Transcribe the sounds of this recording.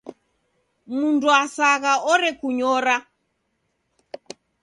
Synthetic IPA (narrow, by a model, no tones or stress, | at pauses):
munduasaɣaɔɾɛkuɲɔɾa